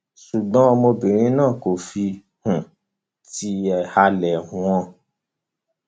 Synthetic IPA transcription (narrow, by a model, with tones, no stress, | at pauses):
su˨ɡ͡bɔ̃˨˦ɔ˧mo˧bi˨ɾ̃ĩ˦nãː˦˨ko˨fi˧ | hũ˨ | ti˧˦ɛ˧ha˧lɛ̃˨ɔ̃˧